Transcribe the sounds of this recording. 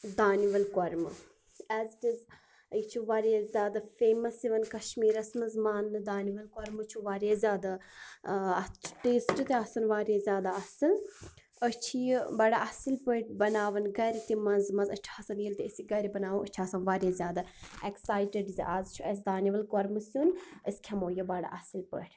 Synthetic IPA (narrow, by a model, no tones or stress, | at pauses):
d̪aːniʋɐlkɔɾm | ɛzʈiz | it͡ʃʰuʋaːɾazʲjaːd̪afeːmɐsiʋɐnkɐʃmiːɾɐsmɐzmaːnɨd̪aːniʋɐlkɔɾmɨt͡ʃʰuʋaːɾjazʲjaːd̪a | t͡ʃʰʈeːsʈɨt̪eɐsɐnʋaːɾezʲjaːd̪aɐsɐl | ət͡ʃʰibaːɽaʔaːsilpəʈʲbɐnaːʋɐnɡɐɾit̪imɐnzmɐnzɐt͡ʃʰaːsɐniəlʲt̪iəsiɡɐɾibɐnaːʋũət͡ʃʰaːsanʋaːɾjezʲjaːd̪aɛksaːjʈeɖziʔaːzt͡ʃʰuɐs̬ʲd̪aːniʋɐlkoɾmɨsunəsʲkʲʰɐmoːjobaːɽa̰ʔasilpə̰ːʈʲ